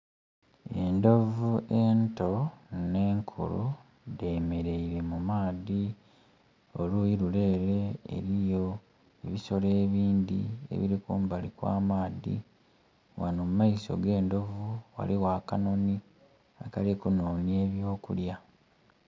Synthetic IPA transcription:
e̞ndo̞vuʔe̞nto̞ne̞ːŋkʰṵlṵ | de̞ːme̞ɾe̞iɾe̞mumaːði | olujiɾule̞ːɾe̞̰ːɾijo̞ | eβiso̞leːβiːnd̪ḭe̞̰βiɾikuːmbalikwa̰ːmaːdḭ | wanoːmumːaiso̞̰ɡe̞ːndo̞vuwa̰liwaːkano̞ni | akalekunoːnie̞ːβjo̞ːkṵlja

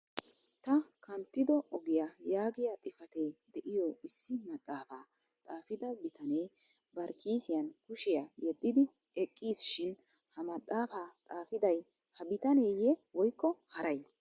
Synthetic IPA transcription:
t̪ɐkɐnt̪ːɪd̪ɔʔɔɡɪjajaːɡɪjat̪ʼɪfɐt̪eːd̪ɛʔɪjɔɪsːɪmɐt̪ʼːaːfaː | t̪ʼaːfɪd̪ɐbɪt̪ʰɐneː | bɐɾkʰiːsɪjɐnkʊʃɪjajɛd̪ːɪd̪ɪ | ɛkʼːiːsʃɪn | hɐmɐt̪ʼːaːfaːt̪ʼaːfɪd̪ɐj | hɐbɪt̪ɐne̞ːjɛwɔjkːɔhɐɾɐj

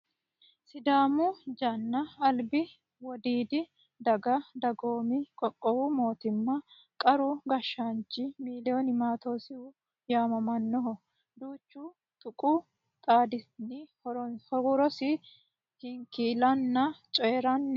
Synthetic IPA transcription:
sɪd̪aːmʊd͡ʒɐnːɐɐlbɪ | wɔd̪iːd̪ɪ | d̪ɐɡɐd̪ɐɡoːmɪkʼɔkʼːɔwumo̞ːt̪ɪmːɐ | kʼɐɾʊɡɐʃːant͡ʃːɪmiːlɪɔnɪmaːt̪o̞ːsɪʊ | jaːmɐmɐnːɔɦɔ | d̪uːt͡ʃːu | t̪ʼʊkʼu | t̪ʼaːd̪ɪnɪɔhɔɡʊɾɔsɪ | hɪŋkiːlɐnːɐt͡ʃʼɔjɛɾɐnː

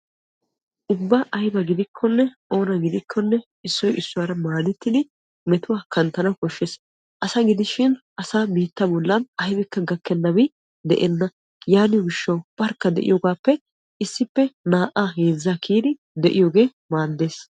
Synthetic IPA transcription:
ʔʊbːaʔɐjbɐɡɪd̪ɪkʰːɔnːɛʔo̞ːnɐɡɪd̪ɪkʰːɔnːɛ | ɪsːɔjʔɪsːʊwaɾɐmaːd̪ɛt̪ːɪd̪ɪ | mɛt̪ʊwaːkɐnt̪ɐnɐkɔʃːeːs | ʔɐsɐɡɪd̪ɪʃɪn | ɐsaːbiːt̪ːɐbɔlːɐnɐjbɪkːɐɡɐkːɛnːɐbɪ | d̪ɛ̰ʔɛnːɐ | jaːnɪɡɪʃːɐwb̥ɐɾkːɐd̪ɛ̰ʔɪ̰jɔɡaːpːɛ | ɪsːɪpːɛnaːʔaɦe̞ːzːakʰiːd̪ɪ | d̪ɛʔɪjoːɡe̞ː | maːd̪ːe̞ːs

